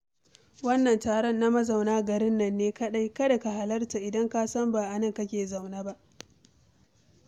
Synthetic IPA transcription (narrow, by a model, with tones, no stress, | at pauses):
wɐ˦nːɐ˨ntaː˨ɽɔ˦nːa˦mɐ˦za˨wnaː˦ɡɐ˨ɾɪ˦nːɐ˨nːeː˦kɐ˦ɗa˦jkɐ˦da˨ka˨ha˨lɐ˦rta˨ʔɪ˨dɐ˦ŋkaː˦sɐ˦mbaː˨ʔa˨nɐ˦˨ŋkɐ˦kʲeː˨za˨wnaː˦ba˦ʔ